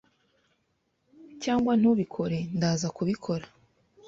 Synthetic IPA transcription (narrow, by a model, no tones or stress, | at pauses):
caːŋɡwan̥uβikʰo̞ɾe̞ndaːzakuβikʰo̞ɾa